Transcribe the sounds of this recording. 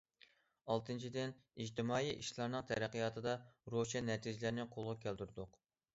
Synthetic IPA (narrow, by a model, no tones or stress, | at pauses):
ɑlˠt̪ʰɨnt͡ʃʰid̪ɪnid͡ʒt̪ʰɪmɑːjiʔiʃlˠɑɾnɨŋqt̪ʰɛɾæqːɨjɑːt̪ʰɨd̪ɑɾoʃɛnːɛt̪ʰid͡ʒɪlɪɾnɪqʰolˠʁɑkʲʰæld̪yɾɪd̪ʊq